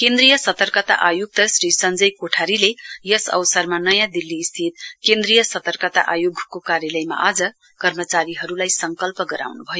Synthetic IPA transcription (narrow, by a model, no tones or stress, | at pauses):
kend̪rijʌsʌt̪ʌrkʌt̪a̰ʔajoɡ̚t̪ʌsɾisʌnd͡zʌjkoʈʰaɾilejʌsʌ̰wsʌrmanʌjãd̪ilːiːst̪ʰit̪̚kend̪rijʌsʌt̪ʌrkʌt̪a̰ʔajoɡʱkokaɾjʌlʌjma̰ʔad͡zʌ | kʌrmʌt͡saɾiɦʌɾulajsʌŋkʌlpʌɡʌɾa̰wnubʱʌjo